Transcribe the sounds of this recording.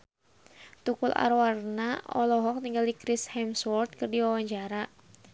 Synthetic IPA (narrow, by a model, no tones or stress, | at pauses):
t̪ukulʔa̰ɾwarnaɔ̰lɔɦɔk̚niŋɡaldikɾɪshɛmswɔrt̪̚kɨrdiwawaɲd͡ʒaɾa